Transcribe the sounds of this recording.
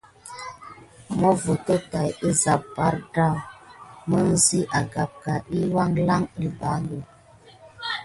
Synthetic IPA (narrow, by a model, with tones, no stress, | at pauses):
mɔ˦və˨tə˦ta˨je˦za˨p̚ba˦ɾda˦˨mə˦n̩˦˨zi˦ʔa˨ɡa˨p̚ka˨ʔi˦wa˦˨ŋla˦ŋi˨ba˨nɡə˨